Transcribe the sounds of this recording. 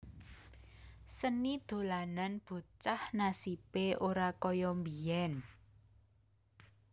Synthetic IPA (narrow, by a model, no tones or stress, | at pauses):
sənid̪̥o̤lananb̥o̤t͡ʃahnasipeʔoɾakɔjɔmbiɛn